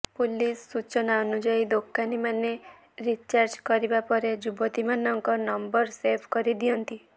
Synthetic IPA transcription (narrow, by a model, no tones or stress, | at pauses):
pulisːut͡ʃɔnaɔnud͡ʒaid̪okanimane | ɾit͡ʃaɾd͡ʒkɔɾibapɔɾed͡ʒubɔt̪imanɔŋkɔnɔmbɔɾsebʱkɔɾid̪ijɔnt̪i